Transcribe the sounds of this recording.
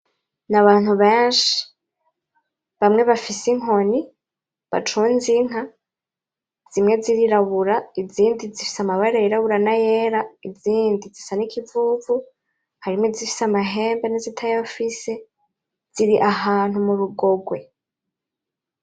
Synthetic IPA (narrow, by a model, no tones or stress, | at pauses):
naβaːn̥huβeːnʃi̥ | βamŋe̞βafisiŋo̞ni | βa̰t͡ʃunziŋ̥ɦa | z̥imŋe̞ziɾiɾaβuɾaiziːndizifi̥samaβaɾajiɾaβuɾanajeːɾaiziːndizisanikʰivuvu | haɾimŋezifi̥samaɦe̞ːmbenizitʰajafise | z̥iɾiʔaɦaːn̥humuɾuɡo̞ɡwe̞